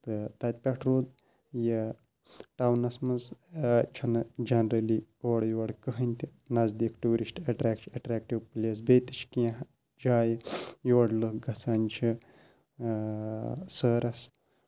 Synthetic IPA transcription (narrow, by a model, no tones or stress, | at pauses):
t̪ɨt̪ɐt̪̚ʲpʲɛʈʰɾoːd̪̚ | jɐ | ʈaːwnɐsmɐzt͡ʃʰɐnɨd͡ʒɐnɾɐlioːɽjoɐɽkəɦɐnʲt̪ʲi | nɐzd̪ikʈuːɾisʈɐʈɾakɐʈɾaːk̚ʈiwplʲes̬beːt̪ɨt͡ʃʰkijɐ̃ɦ | d͡ʒaːjjoʋɐɽlɨɡɐsanʲt͡ʃʰi | səːɾɐs